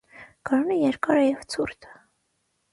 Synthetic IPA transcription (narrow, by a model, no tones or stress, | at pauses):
ɡ̥ɔɾunɛjɛɾkɑɾɛjɛvt͡sʰuɾt̪ʰə̥